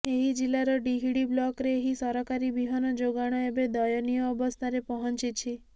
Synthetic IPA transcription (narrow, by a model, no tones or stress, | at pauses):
eɦid͡ʒilːaɾɔɖiɦiɽiblɔkɾeːɦisɔɾɔkaɾibiɦɔnɔd͡ʒoɡaɽ̃ɔebed̪ɔjɔnijɔːbɔst̪ʰaɾepɔɦɔnt͡ʃit͡ʃʰi